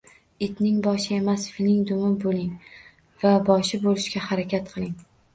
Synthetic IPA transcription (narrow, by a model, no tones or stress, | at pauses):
ɪt̪nɪŋbɒʃɪe̞masfilɪŋd̪ʊmɪbolɪŋ | vabɒʃɪbolɪʃkʲahaɾakʲʰat̪̚qʰɨlˠɪŋ